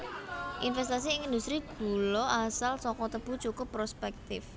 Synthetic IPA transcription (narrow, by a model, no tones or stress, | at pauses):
ʔinfɛs̬t̪as̬iɪŋind̪ust̪ɾiɡ̥ṳlɔʔasalsɔkɔt̪əb̥ṳt͡ʃukʊpːɾospɛk̚t̪ɪf